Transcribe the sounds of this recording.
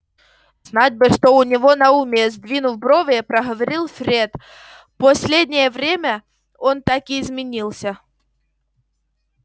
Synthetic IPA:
z̥nat̚ʲbɨʂt̪oʊnʲɪvo̞nɐumʲɪzʲd̪vʲinʊfbɾovəjəpɾəɦəvɐɾʲilˠfʲɾʲet̪ | pɐsʲlʲedʲnʲɪjəvɾʲemʲə | o̞nt̪akɪːzmʲɪnʲilˠsʲə

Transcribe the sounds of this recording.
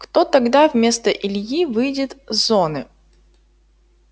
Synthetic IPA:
kt̪ot̪ɐɡd̪avmʲe̞st̪əʔɪlʲjivɨjdʲɪt̪zonɨ

